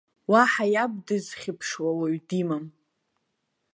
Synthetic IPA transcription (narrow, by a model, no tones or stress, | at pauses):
waħajab̚dɨzχʲɪpʰʂwawaɥdimam